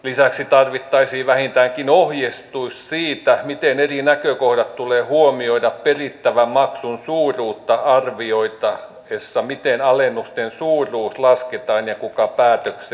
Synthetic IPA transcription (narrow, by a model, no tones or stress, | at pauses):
lisæksit̪ɑrʋit̪ːɑisiːʋæhint̪æŋkinohjest̪uissiːt̪æmit̪enerinækøkohɾɑt̪t̪uleːhuomioidɑpperit̪ːæʋæmmɑksunsuːruːt̪ːɑɑrʋioit̪ɑ | esːɑmit̪enɑlenːust̪ensuːrˑuːslɑsket̪ɑːnjɑkukɑpæːt̪økse